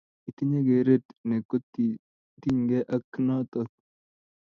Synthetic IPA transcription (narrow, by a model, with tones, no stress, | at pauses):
i˨t̪i˦ɲe˦ɡe˨ɾe˦t̪ne˨ko˦t̪ːi˨ | t̪i˦ɲɡe˦ʔa˦knɔ˦t̪o˦t̪̚